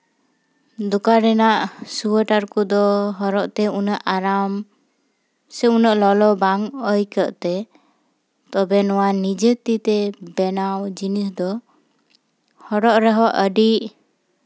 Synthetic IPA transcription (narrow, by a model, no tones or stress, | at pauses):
d̪ukaɾɛnaʔsuəʈaɾkɔd̪ɔɦɔɾɔʔt̪ɛunəʔaɾam | sɛunəʔlɔlɔbaŋəjkəʔt̪ɛ | t̪ɔbɛnɔwanid͡ʒət̪it̪ɛbɛnawd͡ʒinisd̪ɔ | hɔɽɔʔɾɛɦɔʔəɖiʔ